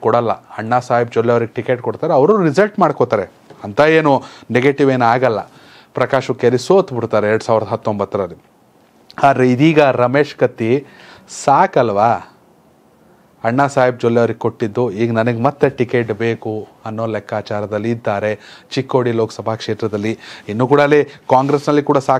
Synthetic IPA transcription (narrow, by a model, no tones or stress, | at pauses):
kɔɽɐlːɐ̰ɐɳːaːsaːɦib̚d͡ʒolːjɐʋɐɾiɡeʈike̞ːʈ̚koɽt̪aːɾeɐʋɐɾuɾid͡ʒɐlʈmaːɽkot̪aːɾe | ɐnt̪ʰɐeːnuneɡeʈiʋeːnaːɡɐlːɐ̰ | pɾɐkaːʂkːelisoːt̪biɽt̪aːɾeeɾɽusaːʋiɾd̪ɐɦɐt̪ːombɐt̪ːɐɾɐɾi | aːd̪ɾeid̪iːɡɐɾɐme̞ːʂkɐt̪ːisaːkɐlːʋaː | ɐɳːaːsaːjib̚d͡ʒolːjɐʋɐɾiɡeko̞ʈːid̪ːuiːɡɐnɐnɐɡemɐt̪ːeʈike̞ːʈbe̞ːkuɐnːoːlɛkʰːaːt͡ʃaːɾɐd̪ɐlːiːd̪ːaːɾe̞t͡ʃikːoːɽilo̞ːksɐbʱakʂeːt̪ɾɐd̪ɐlːiinːuːkuːɽɐlekaːŋɡɾesnɐlːikuːɽɐsaː